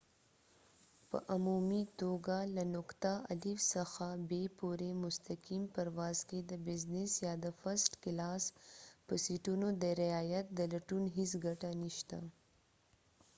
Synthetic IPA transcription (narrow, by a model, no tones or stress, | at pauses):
pə̰ʔamumit̪oɡalanʊkt̪aʔalifsaxabepuɾemʊst̪akimpaɾwɑːzked̪əbɪznɪsjɑd̪əfasʈkɪlɑspəsiʈunod̪əɾɪɑjat̪̚d̪əlaʈunɦɪs̬ɡaʈaniʃt̪a